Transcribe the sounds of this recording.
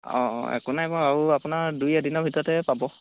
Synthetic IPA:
ɔ̰̃ɛ̰kunajpaaɹuapʊnaɹdujadinɔɹbʱitɔɹɔtɛpabɔ

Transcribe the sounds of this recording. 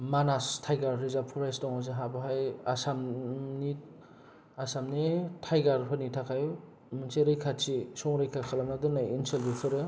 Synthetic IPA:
manastʰajɡaɾːizapʰɔɾajsdɔŋhazɯɦabɯɦajasamni | asamnitʰajɡaɾpʰɯnitʰakʰaju | mɯnseɾɯjkʰat͡ʃisɔŋɾɯjkʰakʰalamnadɯnajinselbikʰɯɾɯ

